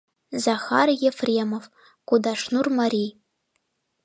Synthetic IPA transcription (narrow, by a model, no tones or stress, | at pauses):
zaχa̰rjefremov | ɡ̥ʷudaʂnurmaɾi